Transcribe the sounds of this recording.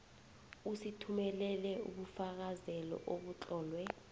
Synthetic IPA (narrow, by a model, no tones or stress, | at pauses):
usitʰumɛlɛlɛṵɓufak̬azɛlɔ̰ʔoɓut͡ɬʼɔːlwɛ